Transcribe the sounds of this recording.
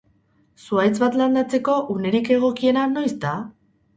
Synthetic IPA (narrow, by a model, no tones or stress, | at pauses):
suajt͡sβat̪land̪at͡se̞ko̞ʔune̞ɾike̞ɣ̞o̞kie̞nano̞jst̪a